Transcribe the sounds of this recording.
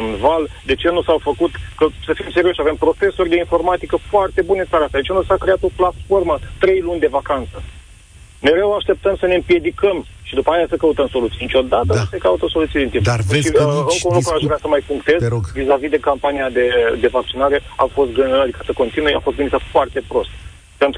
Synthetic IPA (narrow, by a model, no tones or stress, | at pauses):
nvald̪e̞t͡ʃe̞nusawfəkut̪kəsəfimseɾioʃave̞mpɾo̞te̞surʲd̪e̞info̞rmat̪ikəfoart̪e̞bunensaɾast̪ad̪et͡ʃenusakɾeat̪o̞plat̪fo̞rmət̪ɾe̞jlunʲd̪e̞vakant̪sə | me̞ɾe̞waʃt̪e̞p̚t̪əmsəne̞ɨmpje̞d̪ikəm | ʃid̪upəajasəkəut̪əmso̞lut̪ijnit͡ʃʲo̞d̪at̪əse̞kaut̪əso̞lut̪ied̪int̪impd̪airokəunlukɾuaʃʒvɾeasəmajpuŋkt̪e̞zoɡvizavid̪e̞kampaniad̪e̞d̪e̞vak̚t͡ʃinaɾe̞afo̞st̪̚ɡad̪ikasəko̞nt̪inujea̰fo̞st̪ɡɨnit̪əfoart̪e̞pɾo̞st̪ | pe̞nt̪